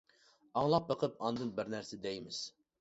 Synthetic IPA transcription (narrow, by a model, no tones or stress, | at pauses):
ɑŋlˠɑp̚bəqʰəp̚ɑnd̪ɨnbɪɾnæɾsɪd̪ɛjmɪz̥